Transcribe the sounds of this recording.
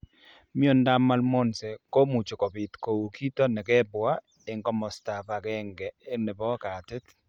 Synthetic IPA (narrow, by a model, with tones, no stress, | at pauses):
mɪ˦o˦nda˦ma˦lmɔ˦nsɛ˨ko˦mu˨t͡ʃo˨kɔ˨bi˨tko˨wu˨kʰi˦tɔ˦nɛ˨kɛ˦bwa˦ | ɪ˨ŋkɔ˦mɔ˨sta˨pa˨kɛ˦ŋɡɛː˨˦nɛ˨bɔ˦ka˨tɪ˦t